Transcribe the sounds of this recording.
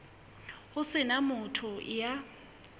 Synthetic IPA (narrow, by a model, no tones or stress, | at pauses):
ʊsɪnamʊtʰʊja